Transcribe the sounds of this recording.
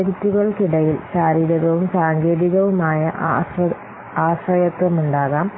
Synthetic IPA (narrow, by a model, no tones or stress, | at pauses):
ɐɾit̪ːuɣɐɭkiɽɐjilɕaːɾiːɾɐɣɐʋumsaːŋɡe̞ːðiɣɐʋumaːjɐʔ | aːɕɾɐjɐt̪ːɐmuɳɖaːɣaːm